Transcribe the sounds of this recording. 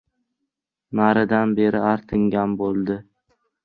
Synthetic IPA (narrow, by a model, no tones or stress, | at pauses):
naɾɪd̪anbe̞ɾɪaɾt̪ʰɪŋɡʲanbolˠd̪ɪ